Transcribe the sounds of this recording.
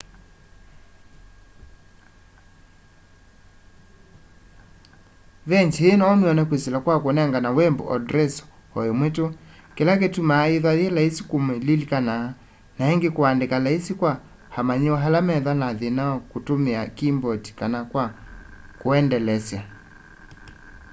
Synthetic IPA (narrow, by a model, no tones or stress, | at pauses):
vɛɲt͡ʃeːnɔːmeɔnɛkwisilakwakonɛŋɡanawɛmbo̰ʔɔdɾɛsɔ̥ | ɔemweto | kelaketumaːeðwaðjɛlaisi̥komelilikanaa | naɛŋɡekoandekalaisikwa | hamaɲewɔɦalamɛðanaðenaɔkotomeakimbɔti̥kanakwakoɛndɛlɛsja